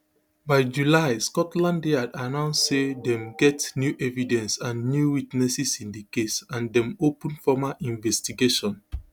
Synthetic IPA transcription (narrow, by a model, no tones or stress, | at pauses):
baɪd͡ʒulaɪskɔtlãndeadanãʊ̃nssedɛ̃mɡɛtnjuʔɛvidɛ̃nsãnːjuwitnɛsisĩndəkesãndɛ̃mopə̃nfɔmaʔĩnvɛstiɡeʃɔ̃n